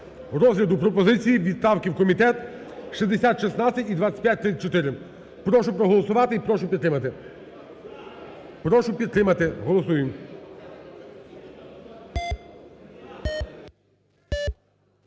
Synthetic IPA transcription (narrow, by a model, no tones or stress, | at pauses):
ɾɔzɦlʲɐd̪ʊpɾɔpɔzɪt͡sʲijiʋʲid̪st̪ɑwkʲiwkɔmʲit̪ɛt̪ʃizd̪esʲat̪ʃisnat͡sʲːɐtʲid̪ʋat̪t͡sʲsʲɐ̥t̚ʲpʲjat̚ʲt̪ɾɪt͡s̪ʲːɐt͡ʃɔt̪ɪɾɪm | pɾɔʃʊpɾɔɦɔlˠɔsʊʋɑt̪ɪipɾɔʃʊpʲid̪t̪ɾɪmɐt̪ɪ | pɾɔʃʊpʲid̪̚t̪ɾɪmɐt̪ɪɦɔlˠɔsujem